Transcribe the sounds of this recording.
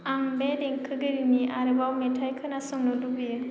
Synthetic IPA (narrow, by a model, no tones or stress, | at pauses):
aŋbedeŋkʰɯɡɯɾiniaɾɯbawmetʰajkʰɯnasɔŋnɔdubijɯ